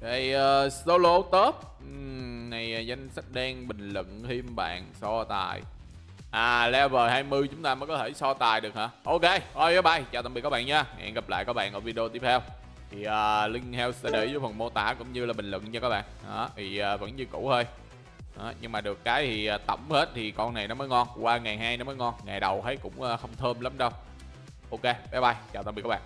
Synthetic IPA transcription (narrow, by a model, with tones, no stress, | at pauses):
ɗa˨˩jəː˨˩so˧lo˧t̪o˦˥t̩̚ː˨˩ | na˨˩jːza˧jŋ̟sa˦˥t̚ɗɛː˧ŋɓï˨˩ŋ̟lɨ̰˧˨ŋhi˧mɓa̰ː˧˨nsɔ˧t̪a̰ː˨˩j | ʔaː˨˩lɛ˧wvəː˨˩jhaː˧jmɨ˧jt͡ɕʊ˨˦ŋ͡mt̪aː˧məː˨˦jkɔ˨˦t̪ʰe˧˩sɔ˧t̪aː˨˩jɗɨ˨˩ək̚ha̰ː˧˩ʔo˧ke˧jʔo˧jɔ˨˦ɓa˧˩jt͡ɕaː˨˩t̪a˨˩mi˨kɔː˦˥ɓa̰ː˧˨nɲaː˧˩ŋ̰ː˧˨nɣa˨˩p̚la̰ː˧˨jkɔ˨˦˥ɓa̰ː˧˨nʔɔː˧˩vi˧ɗi˧o˧t̪i˦˥ət̪ʰɛ˧w | t̪ʰi˨˩ʔəː˨˩lï˧ŋ̟hɛ˧wsɗaː˧˦ɗə˧˩jzə˨˦jfə˨˩nmo˧t̪a̰ː˧˩kʊ̰˧˥ŋ͡mɲɨ˧laː˨˩ɓï˨˩ŋ̟lwə̰˧˨ŋt͡ɕɔ˧kaː˦˥k̚ɓa̰ː˧˨na˨˦vʰi˨˩ʔaː˨˩və̰˧˥nɲɨ˧kṵ˧˩˥həː˧j | a˨˦ɲɨ˧ŋmaː˨˩ɗɨ˨˩əkːaː˨˦jt̪ʰi˨˩ʔaː˨˩t̪ə˧˩wŋ͡mhe˦˥t̚t̪ʰi˨˩kɔ˧nna˨˩jnɔ˨˦məː˨˦jŋɔ˧nkwaː˧ŋa˨˩jɦaː˧jnɔ˨˦məː˨˦jŋɔ˧nŋa˨˩jɗə˨˩wt̪ʰə˨˦jkʊ̰˧˥ŋ͡mʔaː˨˧xə˧wŋ͡mt̪ʰəː˧mla˨˦mɗə˧w | ʔo˧wke˧ɓɛ˨˦jɓa˧˩jt͡ɕaː˨˩t̪ə˨˩mi˨˩kːa˦ɓa̰ː˧˨